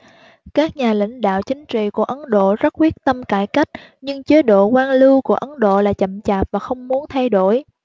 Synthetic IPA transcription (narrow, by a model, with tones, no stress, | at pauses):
kaː˦˥k̚ɲaː˨˩lḭ˧˥ŋ̟ɗa̰ː˧˨wt͡ɕï˨˦ŋ̟t͡ɕḭ˧˨ku˧˩əʔə˨˦nɗo̰˧˨zə˦˥t̚kwi˦˥ək̚t̪ə˧mkaː˧˩jka˦˥jk̟̚ɲɨ˧ŋt͡ɕə˨˦ɗo̰˧˨kwaː˧nlɨ˧wku˧˩əʔə˨˦nɗo̰˧˨laː˨˩t͡ɕə̰˧˨mt͡ɕaː˨˩p̚vaː˨˩xə˧wŋ͡mmu˨˦ənt̪ʰa˧jɗo˧˩j